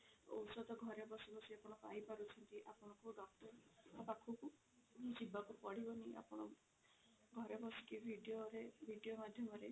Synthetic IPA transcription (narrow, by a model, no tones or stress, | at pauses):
o̰wsɔd̪ɔɡʱɔɾebɔsubɔsiapɔɽ̃ɔ̃kaɦipaɾut͡ʃʰɔnt̪iʔapɔɽ̃ɔŋkuɖɔkʈɔɾabakʰuku | d͡ʒibakupɔɽ̤ibɔniʔa̰pɔɽ̃ɔ | ɡʱɔɾebɔsi̥kibʱiɖijoɾebʱiɖiomad̪ʱjɔmɔɾe